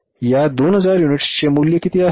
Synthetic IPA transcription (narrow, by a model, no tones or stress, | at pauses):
jad̪onɦəd͡zaɾjuniʈst͡ɕemuljəkit̪ia